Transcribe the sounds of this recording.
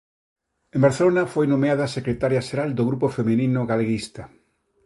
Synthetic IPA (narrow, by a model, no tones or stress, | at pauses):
ẽmbaɾθelonafojnõmeaðasekɾet̪aɾjaʃeɾald̪oɣɾupofeminĩnʊɣaleɣist̪a